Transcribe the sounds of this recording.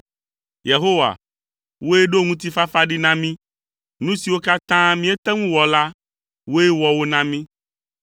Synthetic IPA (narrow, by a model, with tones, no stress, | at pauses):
je˨ɦo˦wa̰˨ | wo˦e˦ɖo˦ŋũ˦t̪̬i˦fa˦fa˦ɖi˦nã˦mĩ˦ | nũ˦si˨wo˦ka˦t̪ã˦mĩ˦ɛ˦t̪ɛ˦ŋũ˦wɔ˨la˦ | wo˦e˦wɔ˨wo˦nã˦mĩ˦